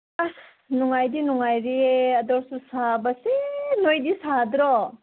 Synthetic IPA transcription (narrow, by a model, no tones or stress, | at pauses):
ah | nuŋajdinuŋajɾiɐdɔɾsusabɐsenojdisad̪ɾɔ